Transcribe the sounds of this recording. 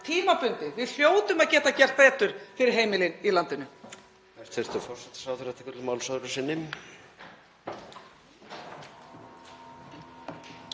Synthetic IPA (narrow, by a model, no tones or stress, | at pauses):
t̪ʰiːmapʏnt̪ɪvɪðl̥joːwt̪ʏmaðcɛːt̪acɛr̥t̪θeːt̪ʏɾ̥fɪɾɪɾ̥ɦeːjmɪlɪnilant̪ɪnʏ | ɛr̥t̪fɪɾ̥t̪ʏɾfɔr̥sɛt̪ɪ̥sawθɪɾat̪ʰɪkʏt̪maːwlsœðɾʏsɪnːɪm